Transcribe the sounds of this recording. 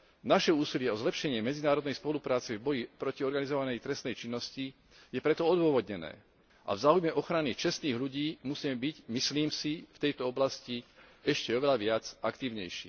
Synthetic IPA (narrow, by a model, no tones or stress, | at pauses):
naʃɛuːsilɪɛɔzlɛpʃɛɲɪɛmɛd͡zinaːɾɔd̪nɛjspɔlupɾaːt͡sɛvbɔjipɾɔciɔɾɡanizɔʋanɛjt̪ɾɛst̪nɛjt͡ʃinːɔsci | jɛpɾɛt̪ɔɔd̪ʊɔʋɔd̪ɲɛnɛ̰ː | ʔa̰vzaːujmɛʔɔxɾanit͡ʃɛst̪niːɦʎuɟiːmusiːmɛbiɟmisliːmsift̪ɛjt̪ɔɔblasciɛʃcɛɔʋɛlaʋɪad͡zakt̪iːʊɲɛjʃḭː